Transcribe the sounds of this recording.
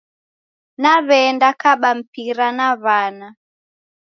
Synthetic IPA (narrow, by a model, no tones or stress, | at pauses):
naβɛndakaɓam̩piɾanaβana